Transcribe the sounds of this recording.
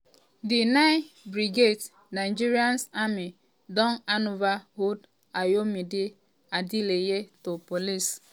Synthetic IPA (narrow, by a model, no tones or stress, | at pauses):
dɪnaɪbɾiɡet | naɪd͡ʒiɾiansami | dɔŋanʊvaɦod | ajomidɪ | adilejetopolis